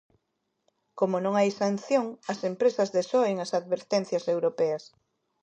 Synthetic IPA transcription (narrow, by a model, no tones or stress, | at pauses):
komonõŋajsan̟θjoŋɐsempɾesɐzðesɔeŋɐsaðβeɾt̪ɛnθjɐsewɾopɛɐs